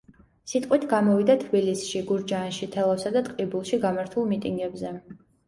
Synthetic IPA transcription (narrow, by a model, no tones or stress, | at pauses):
sit̪ʼqʼwit̪ʰɡamɔvid̪at̪ʰbilisʃiɡuɾd͡ʒanʃit̪ʰɛlˠafsad̪at̪ʼqʼibulˠʃiɡamaɾt̪ʰulˠmit̪ʼiŋɡɛbzɛ